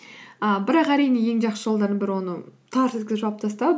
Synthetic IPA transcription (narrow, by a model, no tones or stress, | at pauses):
əbɪɾɑqæɾijne̞je̞ŋʒɑqʃəʒolˠd̪ɑɾd̪əbɪɾɪwo̞nət̪ʰɑɾset̪kʲɪzɪʒɑwɑp̚t̪ʰɑst̪ɑ